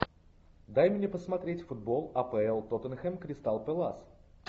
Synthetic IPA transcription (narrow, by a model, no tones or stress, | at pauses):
d̪ajmʲnʲepəsmɐt̪ɾʲetʲfʊd̪̚bolˠɐpɛɛlˠt̪ot̪ənxɛmkɾʲɪst̪alˠpɛlˠas